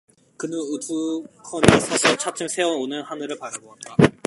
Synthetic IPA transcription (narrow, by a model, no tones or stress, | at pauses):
kɯnɯnɯdukʰʌnesʰʌsʰʌt͡ɕʰat͡ɕʰɯmsʰe̞ʌnonɯnhanɯɾɯɭpaɾaɡoɦant͈a